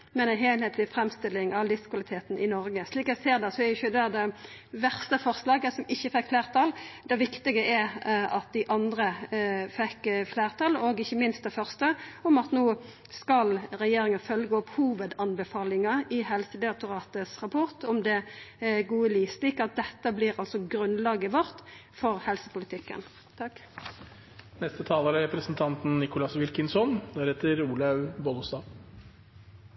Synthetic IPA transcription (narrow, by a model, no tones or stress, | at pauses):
mɛnænɦeːlheːt̪ʰlɪfɾɛmst̪ɪlɪŋɑʋlɪskʰʋɑlɪt̪ʰeːt̪nʔɪnɔɾɡəsliːkæɪseːʁd̪ɛsɔɛjʊçəd̪æd̪ɛ | ʋæʁst̪əfɔʁslɑːɡəsɔmɪçːəfɛkːfleːʁt̪ʰɑːld̪ɛʋɪkt̪ɪɡəʔɛɾɑt̪̚d̪æɪʔɑnd̪ɾəfɛkːfleːʁt̪ʰɑːloːɡɪçːəmɪnst̪̚d̪ɛfœʁst̪əɔmɑt̪noː | skɑlɾɛjeːɾɪŋənfœlɡəɔphuːʋəd̪ɑnbəfɑːlɪŋɑɪhɛlsəd̪ɛɑk̚t̪ʊʁɑːt̪əsʁɑpʰɔʁt̪ɔmd̪ɛɡuːəliːsliːkəɑt̪̚d̪ɛt̪ːəbliːʁɑlsɔɡɾʉnlɑːɡəʋɔʁt̪fɔʁhɛlsə̥pʊlɪt̪ʰɪkːə̰n | t̪ʰɑk | nɛst̪ət̪ʰɑːlɑɾɾɛpɾəsnt̪ʰɑnt̪n̩nɪkʊlɑsʋɪlkənsɔnd̪æɾheːt̪əɾuːlɑʉbɔlɔsd̪ɑː